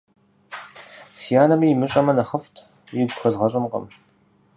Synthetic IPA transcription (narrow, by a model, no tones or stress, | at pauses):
sijaːnɐmiːmɨɕʼɐmɐnɐχəftʰ | jɪɡʷxɐzʁɐɕʼɪmqɐ̰m